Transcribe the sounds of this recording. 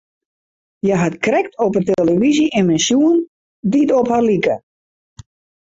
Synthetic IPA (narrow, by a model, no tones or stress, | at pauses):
jaɦatkrɛktɔpəteləʋiziʔɪnmɛnsjuən | ditɔpharlikə̰